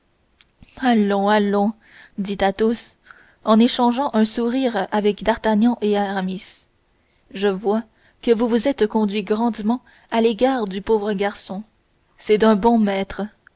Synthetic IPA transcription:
alɔ̃alɔ̃ | d̪it̪at̪os | ɑ̃neʃɑ̃ʒɑ̃ʔɛ̃suʁiːʁavɛkd̪aʁt̪aɲjɑ̃ʔeaʁamis | ʒəvwa | kəvuvuzɛt̪kɔ̃d̪ɥiɡʁɑ̃d̪mɑ̃ | aleɡaːʁd̪ypoːvʁəɡʲaʁsɔ̃ | sɛd̪ɛ̃bɔ̃mɛːt̪χə

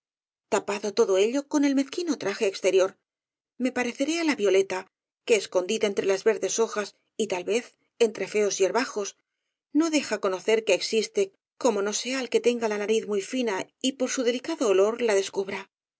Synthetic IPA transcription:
t̪apaðo̞t̪o̞ðo̞e̞ʎo̞ko̞ne̞lme̞θkino̞t̪ɾaxe̞ːkst̪e̞ɾjo̞ɾ | me̞paɾe̞θe̞ɾealaβjo̞le̞t̪a | keːsko̞nd̪iðae̞nt̪ɾe̞lazβe̞ɾðe̞so̞xas | it̪alβe̞θ | e̞nt̪ɾe̞fe̞o̞sie̞ɾβaxo̞s | no̞ðe̞xako̞no̞θe̞ɾkeːksist̪e̞ | ko̞mo̞no̞se̞aelke̞t̪e̞ŋɡalanaɾiθmujfinaipo̞ɾsuðe̞likaðo̞ːlo̞ɾlaðe̞skuβɾa

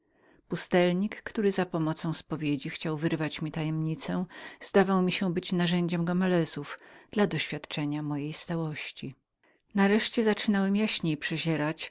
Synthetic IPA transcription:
pust̪ɛlɲikːt̪uɾɘzapɔmɔt̪sɔ̃w̃spɔvʲjed͡ʑixt͡ɕawvɘɾvat͡ɕmʲit̪ajɛmɲit̪sɛ̃z̥d̪avawmʲiɕɛbɘt͡ɕnaʐɛɲd͡ʑɛmɡɔmɛlɛzufd̪̥lad̪ɔɕfʲjat̪t͡ʂɛɲamɔjejst̪awɔɕt͡ɕi | naɾɛʂt͡ɕɛzat͡ʂɘnawɛmjaɕɲejpʂɛʑɛɾat͡ɕ

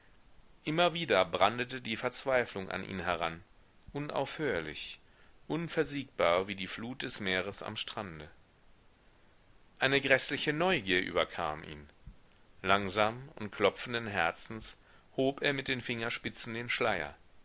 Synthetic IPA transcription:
ʔɪmɐviːdɐbʁandətədiːfɛɐt͡sv̥aɪflʊŋʔa̰nʔḭːnɦɛʁan | ʔʊnʔa̰ʊfhøːɐlɪ̰ç | ʔʊnfɛɐziːk̚b̥aːɐviːdiːfluːt̚d̥ɛsmeːʁəsa̰mʃtʁ̥andə | ʔaɪnəɡʁɛslɪçənɔʏɡiːɐʔy̰ːbɐkʰa̰ːmʔḭːn | laŋzaːmʊntkʰl̥ɔp͡fn̩dənɦɛɐt͡sn̩s | hoːpʔeːɐmɪt̚d̥eːnfɪŋɐʃpɪt͡sn̩deːnʃlaɪɐ̰

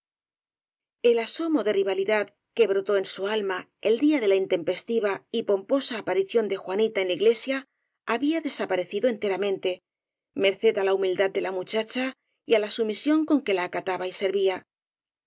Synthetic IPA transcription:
e̞laso̞mo̞ðe̞riβ̞aliðað | ke̞βɾot̪o̞e̞nsualmae̞ld̪iaðe̞laint̪e̞mpe̞st̪iβaipo̞mpo̞saːpaɾiθjo̞nd̪e̞xwanit̪aenlaiɣle̞sjaː | βiaðe̞sapaɾe̞θiðo̞e̞nt̪e̞ɾamẽ̞nt̪e̞ | me̞ɾθe̞ðalaumild̪ad̪̚e̞lamut͡ʃat͡ʃa | ialasumisjo̞ŋko̞ŋke̞laːkat̪aβaise̞ɾβia

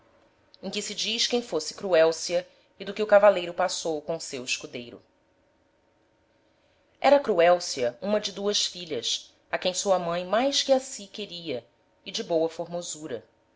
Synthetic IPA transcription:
ẽkɪsɪd͡ʒiʃkẽj̃fosɪ̥kɾuɛwsiɐ | ɪd̪ʊkɪʊkavalejɾʊpasowkõʊsewɪʃkud̪ejɾʊ̰ | ɛ̰ɾɐakɾuɛwsiɐũmɐd͡ʒɪd̪uɐsfiʎɐs | akẽj̃suɐmɐ̃j̃majskɪasikeɾiɐ | ɪd͡ʒɪbowɐfoɾmozuɾɐ

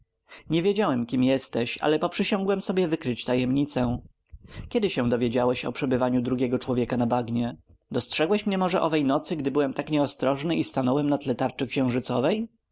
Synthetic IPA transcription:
ɲevʲjed͡ʑawɛmkʲimjɛst̪ɛɕa̰lɛpɔpʂɘɕɔŋɡwɛmsɔbʲjɛvɘkɾɘt͡ɕt̪ajɛmɲit̪sɛ̃ | kʲjɛd̪ɘɕɛ̃d̪ɔvʲjed͡ʑawɛɕɔ̰pʂɛbɘvaɲud̪ɾuɡʲɛɡɔt͡ʂwɔvʲjɛkanabaɡɲɛ | d̪ɔstʂɛɡwɛɕmɲɛmɔʐɛʔɔvɛjnɔt̪sɘɡd̪ɘbɘwɛmt̪akɲɛɔst̪ɾɔʐnɘʔist̪anɔwɛmnat̪lɛt̪aɾt͡ʂɛkɕɛ̃w̃ʐɘt̪sɔvɛj

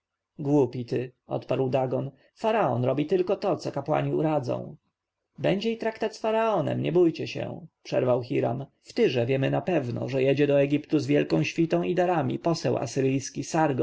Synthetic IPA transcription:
ɡwupʲit̪ɘʔɔ̰t̪paɾwd̪aɡɔn | faɾaɔnɾɔbʲit̪ɘlkɔt̪ɔt̪sɔkapwa̰ɲiuɾad̪zɔ̰̃w̃ | bɛɲd͡ʑɛit̪ɾakt̪at̪sfaɾaɔnɛ̰mɲɛbujt͡ɕɛɕɛ̰pʂɛ̰ɾvawxiɾa̰mft̪ɘʐɛvʲjɛmɘnapɛvnɔ̰ʐɛjɛd͡ʑɛd̪ɔɛɡʲipt̪uzvʲjɛlkɔ̃ɕfʲit̪ɔ̃w̃id̪aɾamʲḭpɔsɛwa̰sɘɾɘjskʲisaɾɡɔ

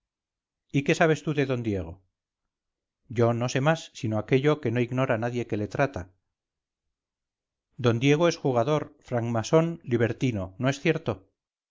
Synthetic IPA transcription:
ike̞saβ̞e̞st̪uðe̞ðo̞nd̪je̞ɣ̞o̞̰ | ɟ͡ʝo̞no̞se̞masːino̞ake̞ʎo̞ke̞no̞iɣno̞ɾanaðje̞ke̞le̞t̪ɾat̪a | d̪o̞nd̪je̞ɣ̞o̞e̞sxuɣ̞aðo̞ɾfɾaŋmaso̞nliβ̞eɾt̪ino̞no̞e̞sθje̞ɾt̪o̞

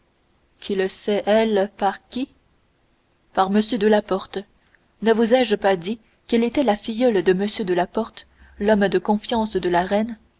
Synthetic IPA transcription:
kʰiləsɛʔɛlpaʁkʲi | paʁməsjød̪əlapɔʁt̪ | nəvuzɛʒpad̪i | kɛlet̪ɛlafijœld̪əməsjød̪əlapɔʁt̪ | lɔmd̪əkɔ̃fjɑ̃sd̪əlaʁɛn

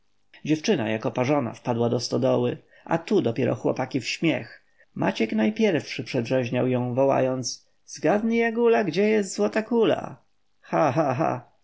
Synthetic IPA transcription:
d͡ʑɛft͡ʂɘna̰jakɔpaʐɔna̰fpad̪wad̪ɔst̪ɔd̪ɔwɘ | ʔa̰t̪ud̪ɔpʲjɛɾʔɔ̰xwɔ̰pakʲifɕmʲjɛ̰x | ma̰t͡ɕɛknajpʲjɛɾfʂɘpʂɛdʐɛʑɲawjɔ̃w̃vɔwa̰jɔnt̪s | zɡad̪ɲijaɡulaɡd͡ʑɛjɛst̪zwɔt̪akula̰ | xaxaɦa̰

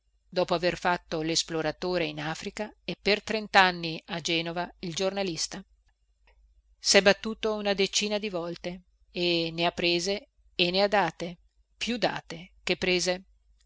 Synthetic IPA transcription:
d̪ɔːpoaverfat̪ːolesploɾat̪oːɾeinaːfɾikaepːert̪ɾent̪anːiad͡ʒɛːnovaild͡ʒornalist̪a | sɛbat̪ːuːt̪ounad̪et͡ʃiːnad̪ivɔlt̪eː | neapːɾeːzeː | nead̪aːt̪e | pjud̪a̰ːt̪ek̟epːɾeːze

